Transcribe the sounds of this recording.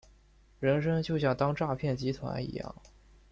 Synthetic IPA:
ɻə˧˥nʂ̬ɤ˥ŋt͡ɕjo˥˧ʊɕjɑ˥˩ŋt̪ɑ˥ŋʈ͡ʂa˥˧pʰjɛ˥˩nt͡ɕi˧˥t̪ʰwa̰˧˥nḭ˧˥jɑ̰˥˩ŋ

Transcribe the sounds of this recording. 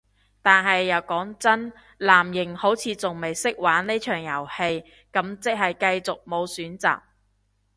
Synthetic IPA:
t̪aː˨nɦɐ˨jːɐ˨˩wkɔː˨˥ŋt͡sɐ˥n | laː˨˩mjɪ˨˩ŋho˨˥wt͡sʰiː˨˧t͡sʊ˨ŋme˨jsɪ˥k̚waː˨˥nne˥t͡ʃʰœː˨˩ŋjɐ˨˩whe˧j | kɐ˨˥mt͡sɪ˨k̚ɦɐ˨jkɐ˧jt͡sʊ˨k̚mo˨˧wsyː˨˥nt͡sa̰ː˨k̚

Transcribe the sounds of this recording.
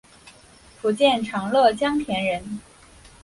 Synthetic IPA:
pʰu˧˥t͡ɕjɛ˥˩nʈ͡ʂʰɑ˧˥ŋlɤ˥˩t͡ɕjɑ˥ŋt̪ʰjɛ˧˥nɻə˧˥n

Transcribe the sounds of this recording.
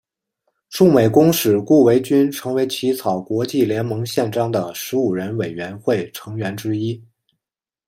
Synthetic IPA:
ʂu˥˩me˨˩ɪkʊ˥ŋʂɻ̩˨˩ku˥˩we˧˥ɪt͡ɕy˥nʈ͡ʂʰɤ˧˥ŋwe˧˥ɪt͡ɕʰi˧˥t͡sʰɑ˨˩ʊkwɔ˧˥t͡ɕi˥˩ljɛ˧˥nmɤ˧˥ŋɕjɛ˥˩nʈ͡ʂɑ˥ŋd̪ə˨ʂɻ̩˧˥u˨˩ɻə˧˥nwe˨˩ɪɥɛ˧˥nxwe˥˩ɪʈ͡ʂʰɤ˧˥ŋɥɛ˧˥nʈ͡ʂɻ̩˥i˥

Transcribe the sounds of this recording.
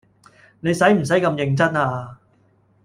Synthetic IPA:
ne˨˧jsɐ˨˥jm̩˨˩s̬ɐ˨˥jkɐ˧mjɪ˧ŋt͡sɐ˥naː˧

